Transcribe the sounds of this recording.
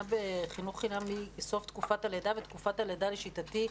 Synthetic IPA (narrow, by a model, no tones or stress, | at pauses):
abeχinuχːinamiso̞ft̪kufataledavet̪kufataledaleʃitati